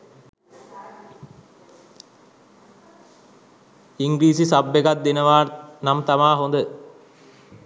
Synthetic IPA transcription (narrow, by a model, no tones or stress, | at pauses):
iŋɡɾiːsisabːeɡat̪̚d̪enəʋaːnamt̪amaːɦond̪ə